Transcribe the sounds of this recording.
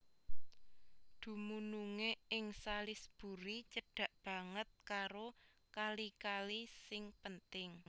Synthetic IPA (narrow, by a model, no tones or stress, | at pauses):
d̪̥ṳmunuŋeɪŋsalɪsb̥ṳɾit͡ʃəɖ̥ä̤ʔb̥ä̤ŋət̪̚kaɾo | kalikalisɪŋpənt̪ɪŋ